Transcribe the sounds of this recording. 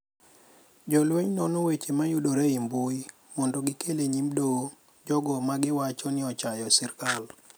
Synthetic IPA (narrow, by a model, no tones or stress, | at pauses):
d͡ʒɔlweɲnɔnowet͡ʃemajudoɾeimbuj | mɔndɔɡɪkʰeleɲimdo | d͡ʒɔɡɔmaɡɪwat͡ʃɔnɪɔt͡ʃajɔsirkal